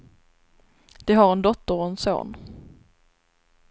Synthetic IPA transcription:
d̪̥ɛɦaɾɛnd̪ɔt̪ːəɾɔɛnso̰ːn

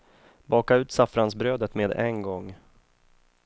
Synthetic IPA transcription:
bɑːkaʉ̟ːt̪safɾansbɾøːd̪ət̪meːd̪ɛnɡɔŋː

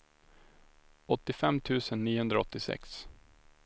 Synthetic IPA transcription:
ɔt̪ːɪfɛmːt̪ʰʉ̟ːsənːiːəhɵnd̪ɾaɔt̪ːɪsɛ̰ks

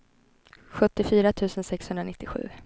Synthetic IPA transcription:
ɧɵt̪ːɪfyːɾat̪ʰʉ̟ːsənsɛkshɵnd̪ɾanɪt̪ːɪɧʉ̟̰ː

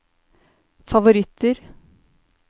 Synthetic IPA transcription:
fɑʋʊɾɪt̪ʰːəɾ

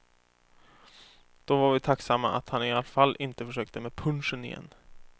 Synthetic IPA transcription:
d̪̥ɔvaɾvɪt̪ʰaksamːa̰ʔa̰t̪hanɪalfalːʔɪnt̪əfœʂøːk̚t̪əmeːpʰɵnʂənɪjɛ̰nː

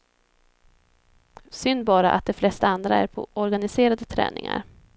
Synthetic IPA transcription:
sʏnd̪bɑːɾaʔa̰t̪̚d̪ɛflɛst̪aand̪ɾaæɾpʰɔ̰ɔɾɡanɪseːɾad̪ət̪ʰɾɛ̰ːnɪ̰ŋa̰ɾ

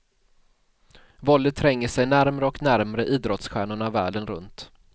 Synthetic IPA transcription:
vɔld̪ət̪ʰːɾɛŋːəʂɛjnæɾmɾəɔknæɾmɾəʔiːd̪ɾɔt̪sɧæːɳʊɳavæ̰ːɖənɾɵ̰nt̪

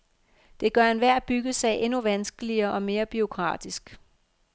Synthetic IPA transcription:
d̥e̝ɡ̥ɶɐe̝nʋæɐ̰b̥yɡ̥əsɛ̰ːɪʔe̝nuʋænsɡ̥əliɐːʔɒ̽me̝ːɐb̥io̝kʰʁɑ̰̈ːd̥isɡ̥

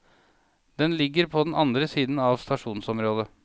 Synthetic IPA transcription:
d̪̥ɛnlɪɡːəɾpʰɔd̪nɑnd̪ɾəsiːd̪n̩ɑʋst̪ɑʂuːnsɔmɾoːd̪ə

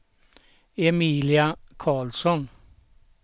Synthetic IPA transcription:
ɛmiːlɪakʰɑːlsɔn

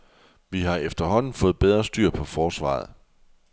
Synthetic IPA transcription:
ʋiɦɑ̈efd̥ɐɦɒ̽n̰n̩fɔ̽ːð̩ˠb̥eð̞ˠʁɐsd̥yɐ̰pʰɒ̽fɒːsʋɑ̰̈ːð̞̩ˠ

